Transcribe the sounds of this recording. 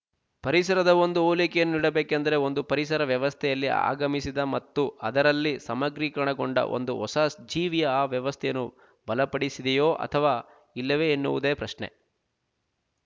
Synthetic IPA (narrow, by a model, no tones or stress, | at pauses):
pɐɾisɐɾɐd̪ɐo̞nd̪uoːlikɛjɐnːuniɽɐbeːkɐnd̪ɐɾe̞o̞nd̪upɐɾis̬ɐɾɐʋjɐʋɐst̪ʰɛjɐlːia̰ːɡɐmisid̪ɐmɐt̪ːuɐd̪ɐɾɐlːisɐmɐɡɾiːkɐɾɐɳɐɡoɳɖɐ̰ʔo̞̰nd̪uɔsasd͡ʒiːʋijɐaːʋjɐʋɐst̪ʰɛjɐnːu | bɐlɐpɐɽisid̪ɛjo̞ːʔɐ̰t̪ʰɐʋaː | ilːɐʋeːnːuʋud̪eːpɾɐʃɳḛ